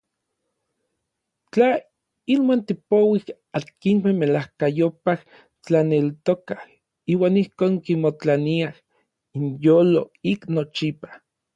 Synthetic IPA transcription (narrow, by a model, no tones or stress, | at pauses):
t͡ɬa | inwant̪ipowih | at̪̚kiŋmemelahkajopah | t͡ɬanelt̪okah | iːwaːnihkoːŋkimot͡ɬaniah | injoːloiknot͡ʃipḁ